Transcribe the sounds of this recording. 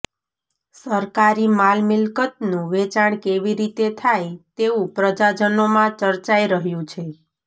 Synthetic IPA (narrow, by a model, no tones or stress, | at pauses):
səɾkaɾimalmɪlkət̪nũʋet͡ʃaɳkeʋiɾit̪et̪ʰajt̪eũpɾəd͡ʒad͡ʒənomãt͡ʃəɾt͡ʃaiɾəɦjũt͡ʃʰe